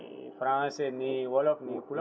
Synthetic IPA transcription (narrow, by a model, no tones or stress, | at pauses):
pʰɾãːseniwɔlɔknikul